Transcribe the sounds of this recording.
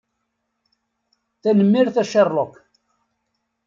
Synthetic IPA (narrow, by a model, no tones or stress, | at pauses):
θænəmːiɾθæʃerˤlok